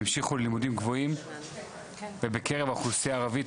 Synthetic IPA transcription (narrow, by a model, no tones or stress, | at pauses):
imʃiχullimudimɡvo̞im | vebeke̞ʁevaχuseaːʁavi